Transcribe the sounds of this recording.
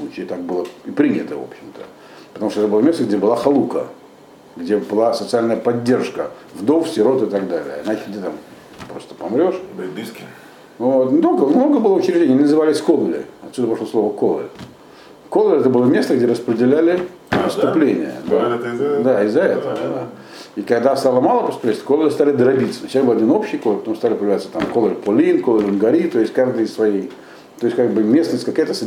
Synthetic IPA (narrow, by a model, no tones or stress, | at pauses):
ut͡ɕɪt̪ak̚bɨlˠəipɾʲinʲɪt̪əvo̞̰pɕːɪmt̪ə̰ | pət̪ɐmuʂt̪ɛt̪əbɨlˠəmʲest̪əɡdʲebɨlˠaxɐlˠukə | ɡdʲebɨlˠasət̪sɨalʲnəjəpɐdʲːe̞rʂkə | vd̪o̞fsʲɪɾo̞t̪ɨt̪ɐɡd̪alʲɪ̰jəɪnat͡ɕɪɡdʲet̪am | pɾo̞st̪ə̥pɐmɾʲo̞ʂiskʲ | vot̪nʲɪt̪olɡəmno̞ɡəbɨlˠəʊt͡ɕɪɾʲɪʐd̪ʲenʲjnʲɪnəzɨvalʲɪsʲkolˠlʲɪ̰ɐt̪sʲud̪əpɐʂlo̞slˠo̞vəkolˠə̰ | kolˠəlʲɛt̪əbɨlˠəmʲe̞st̪əɡdʲeɾəspɾʲɪdʲɪlʲælʲɪ | pst̪ʊplʲenʲɪ̰jə̰d̪ad̪aɪzːɐɛt̪əvəd̪a | ikɐɡd̪ast̪alˠəmalˠəpəst̪ʊplʲesʲt̪ʲkolʲˠlʲɪst̪alʲɪd̪əɾɐbʲit̪sənɕasbɨlˠɐdʲino̞pɕːɪjkolˠɾpt̪omst̪alʲɪpɾəjɪvlʲæat̪sə̥t̪amkolˠəɾʲpʊlʲinkolˠəɾʲɪnɡɐɾʲit̪ojɪsʲtʲkaʐd̪ɨjɪssvɐjej | t̪oɪsʲkaɡbɨmʲe̞snəsʲtʲkɐkajət̪əs